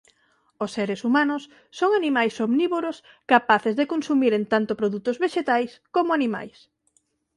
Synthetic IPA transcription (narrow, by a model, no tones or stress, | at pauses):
osːeɾesumanʊsː | oŋanimajsoβniβoɾos | kapaθezðekonsumiɾent̪ant̪opɾoðut̪ʊzβeʃet̪ajskomʊanima̰js